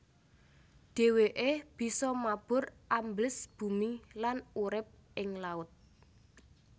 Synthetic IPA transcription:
ɖ̥e̤weʔeb̥i̤sɔmab̥ʊ̤rʔamblɪsb̥ṳmilanuɾɪp̚ʔɪŋlaʊt̪̚

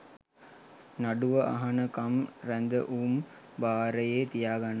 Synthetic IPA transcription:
naɖuʋəʔa̰ɦɐnəkamɾænd̪əʔuːm | baːɾəjeːt̪ijaːɡanə

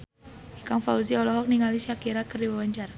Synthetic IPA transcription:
ikaŋfauziɔlɔɦɔk̚niŋaliʃakiɾakərdiwawaɲt͡ʃara

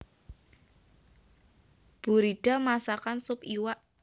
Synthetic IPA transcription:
b̥ṳɾiɖ̥a̤masakansʊpiwaʔ

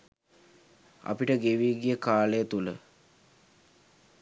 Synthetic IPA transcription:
ɐ̰piʈəɡeʋiːɡijəkaːlejət̪ulə̰

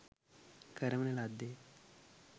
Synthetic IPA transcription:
kəɾəmnelad̪e

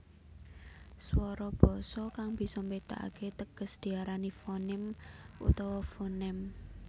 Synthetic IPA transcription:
swɔɾɔb̥ɔ̤sɔkaŋb̥i̤sɔmbet̪a̰ʔa̰ket̪əɡ̥ə̤sd̪̥i̤aɾanifɔnɪmṵt̪ɔwɔfɔnɛm

